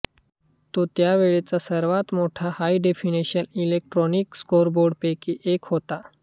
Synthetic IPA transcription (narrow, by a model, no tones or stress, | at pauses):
t̪ot̪jaʋeɭet͡sasəɾʋat̪moʈʰahaiɖefineɕənilek̚ʈɾɔnikskoɾboɾɖpekiʔekɦot̪a